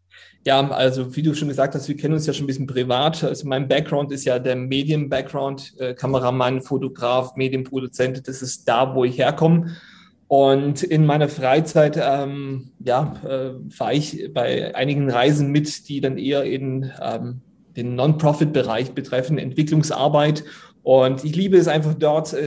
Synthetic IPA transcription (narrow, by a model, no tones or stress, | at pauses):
jaːʔa̰lzoviːduːʃoːnɡəzaːk̚thastv̥iːɐkʰɛnənʊnsjaːʃoːnbɪsçənpʁ̥ivaːtʔalzomaɪnbɛkɡ̥ʁaʊntɪstjaːdeːɐmeːdjənbɛk̚ɡ̥ʁaʊntʔɛːkʰaməʁamanfotoɡʁaːfmeːdjənpʁ̥odut͡sɛntd̥asɪst̚d̥aːvoːɪçheːɐkʰɔmə | ʔʊntɪnmaɪnɐfʁ̥aɪt͡saɪtɛːmjaːʔɛːfa̰ːɐɪçb̥aɪʔa̰ɪnɪɡŋ̩ʁaɪzn̩mɪtd̥iːdanʔeːɐɪnʔɛ̰ːm | d̥eːnːɔnpʁ̥ɔfɪt̚b̥əʁaɪçb̥ətʁ̥ɛfn̩ɛ̰ntv̥ɪklʊŋsʔa̰ɐbaɪt | ʔʊntɪçliːbəɛs̬ʔaɪnfaχd̥ɔɐt